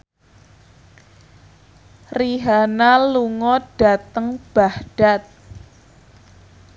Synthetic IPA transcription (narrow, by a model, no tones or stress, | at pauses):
riɦanaluŋɔɖ̥a̤t̪əŋb̥ahɖ̥at̪̚